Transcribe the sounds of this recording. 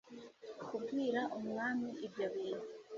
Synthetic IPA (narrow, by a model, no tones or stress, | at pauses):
kuɡwiːɾaʔomŋaːmiʔebjoβiːɾi